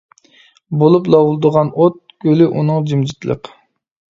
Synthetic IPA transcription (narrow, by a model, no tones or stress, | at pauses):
bolˠuplˠɑwulˠd̪əʁɑnot̪̚ɡ̥ʲølʔunɨŋd͡ʒimd͡ʒit̪lˠə̰q